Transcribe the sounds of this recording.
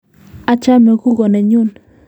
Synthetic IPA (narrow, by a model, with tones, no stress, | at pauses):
a˨˦t͡ʃa˦mɛ˨ɣu˦ɣɔ˨nɛ˨ɲu˦˨n